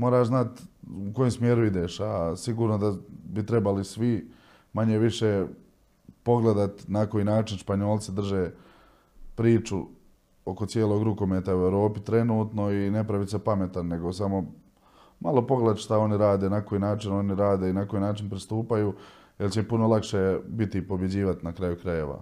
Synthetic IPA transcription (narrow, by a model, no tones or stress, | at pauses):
mo̞ːɾaːʃznat̪uko̞jomsmjeːɾuid̪eʃasiɡuːɾnod̪abit̪ɾe̞balisʋi | maɲeʋiʃeː | po̞ɡle̞d̪at̪nakojiːnaːt͡ʃinʃpaɲo̞ːlˠt̪sid̪r̩ʒeː | pɾiːt͡ʃṵ | o̞ko̞t̪sjeːlo̞ːɡɾuko̞meːt̪aueʋɾo̞ːpit̪ɾe̞nuːt̪no̞ine̞pɾaʋit̪sapame̞t̪anːe̞ɡosamo̞ | malˠo̞po̞ɡlet̪ʃt̪ao̞niɾaːd̪e̞ːnakojinaːt͡ʃino̞niɾaːd̪einako̞inaːt͡ʃinpɾist̪uːpajuː | jelt͡ɕempuno̞lˠakʃebit̪ipo̞bje̞d͡ʑiːʋat̪inakɾajukɾaje̞ʋa̰